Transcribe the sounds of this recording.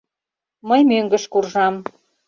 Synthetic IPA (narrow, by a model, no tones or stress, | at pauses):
məjmøŋɡə̆ʃkurʒɑm